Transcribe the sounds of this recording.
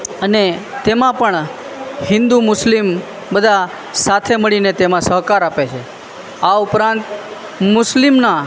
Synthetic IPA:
əne | t̪emãpəɳ | hɪ̃nd̪umʊslim | bəd̪ʱa | sat̪ʰeməɭinet̪emãsəɦkaɾapet͡ʃʰe | aʊpɾãnt̪ | mʊslimna

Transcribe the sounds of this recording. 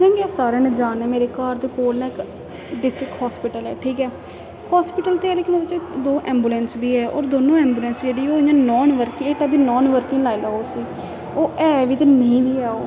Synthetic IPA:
kɛ̃ːŋɡeɛːsaːɾeːnːd͡ʒaːnɛːmeːɾeːkaːɾd̪eːkoːlnãːɪk | ɖɪsʈɾɪkhɔːspɪːʈəlɛ̰ːʈʰiːkɛː | haːspɪʈəlt̪eːɛːleːkɪnoːbɪt͡ʃːed̪oːʔɛ̃ːmbuːlɛ̃ːnsbiːɛːɔ̰ːɾd̪oːnõːɛ̃ːmbuːlɛ̃ːnsd͡ʒeːɽiːoːɪɲãːnɔːnʋəɾkɪŋeːʈaːbʱiːnɔːnʋəɾkɪ̃ŋlaːilaːoːsiː | oːɛːʋɪt̪ːnə̃ĩːbiːaːoː

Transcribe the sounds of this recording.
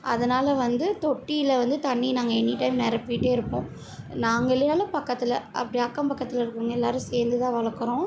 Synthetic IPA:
ɐ̰ðɐnaːlɐʋɐnd̪ɯt̪ɔʈːijɪlɐʋɐnd̪ɯt̪ɐɳːinaːŋɡɐɛnːiʈːɐɪmnɛɾɐpiːʈːeːɪɾɯpːõː | naːŋɡɐlenaːlɐpɐkːɐt̪ːɪlɐʔɐ̰pːɐɽiɐkːɐmpɐkːɐt̪ːɪlɐɪɾɯkːɯŋɡɐɛlːaːɾɯ̃seːɾnd̪ɯt̪ãːʋɐɭɐkːɯɾõː

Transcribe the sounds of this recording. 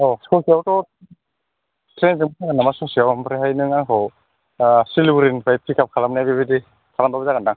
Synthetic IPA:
ɔskɔsiawtɔ | tʰɾensɯŋɡanamaskɔsiawampɾeɦajnɯŋaŋkʰɔw | siluɾinpʰajpʰikap̚kʰalamnajbibidi | tʰaɾandɔbizakɡandaŋ

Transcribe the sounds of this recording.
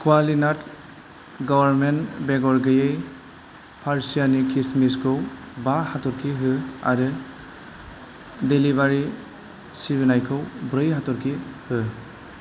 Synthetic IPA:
kʰwalinat | ɡɔbaɾmentbeɡɔɾɡɯjej | pʰaɾsijanikismiskʰɯw | bahatɔɾkʰiɦɯa̰ɾɯ | delibaɾi | sibinajkʰɯwbɾɯjɦatɔɾkʰihɯ

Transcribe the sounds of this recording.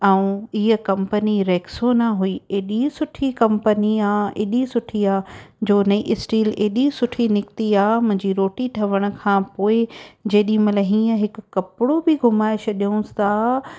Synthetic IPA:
ɛũiɦə̆kɐ̃mpəniɾɛːksonaɦuiːeːɗisʊʈʰikɐ̃mpəniaːeːɗisʊʈʰiaːd͡ʑoːnɐiʔɪsʈiːleːɗisʊʈʰinɪkt̪iaːmʊ̃ɦɪ̃ɲd͡ʑiɾoːʈiʈʰɐʋəɽ̃ʊ̆kʰãːpoːɪd͡ʑeːɗĩmɐlɐɦĩːə̃ɦɪkːɐpɪɽobɪɡʱʊmaːɪʃɐɗiʊ̃st̪ʰaː

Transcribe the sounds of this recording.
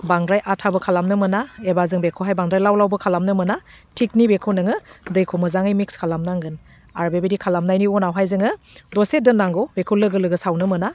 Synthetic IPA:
baŋɾajʔatʰabɯkʰalamnɯmɯnaebazɯŋbekʰɯɦajbaŋdɾajlawlawbɯkʰalamnɯmɯna | tʰik̚nibekʰɯnɯŋɯdɯjkʰomɯzaŋɯjmikskʰalamnaŋɡɯn | aɾbebedikʰalamnajniɔnawɦajzɯŋɯ | dɔsedɯnːaŋɡɔwbekʰulɯɡɯlɯɡɯsawnɯmɯna

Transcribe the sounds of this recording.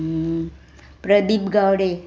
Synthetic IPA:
pɾəd̪ibɡawɽe

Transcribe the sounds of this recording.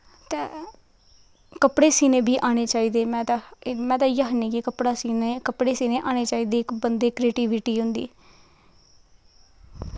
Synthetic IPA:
t̪eː | kəpɽeːsiːnẽːbʱiːʔaːɽ̃eːt͡ʃaːiːd̪eːmɛ̃ːt̪amɛ̃ːt̪ãːjəːɦniːkikəpɽaːsiːnekəpɽeːsiːnẽːʔaːñeːt͡ʃaːiːd̪eːkbənd̪eːkɾeːʈiːʋɪʈiːɦʊ̃nd̪ḭː

